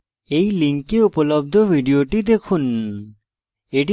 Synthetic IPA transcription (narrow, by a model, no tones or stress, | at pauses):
ejliŋkeupolobd̪ʱobʱiɖioʈid̪ekʰun | eʈ̬i